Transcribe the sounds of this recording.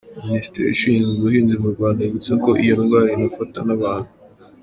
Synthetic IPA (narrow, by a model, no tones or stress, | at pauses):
minisi̥tḛɾḭʃiɲzuβuhiːnzimuɾɡwaːndajeɡut͡seko̞ʔijonuɡaːɾinafatanaβaːnhu